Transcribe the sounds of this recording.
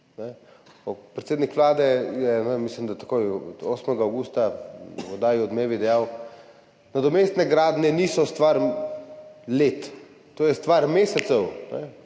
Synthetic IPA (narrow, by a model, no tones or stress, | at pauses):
nɛ | ɔpːɾɛt̪seːd̪nikʋlaːd̪ɛjɛnɛmislimd̪at̪ḁkojoːsmɛɡaːwɡuːst̪aɔd̪aːjiɔd̪meːʋid̪ɛjaw | nad̪ɔmeːst̪nɛɡɾaːd̪nɛnisɔst̪ʋaɾ | let̪ | t̪oːjɛst̪ʋaːɾmeːsɛt̪sɛwnɛ̰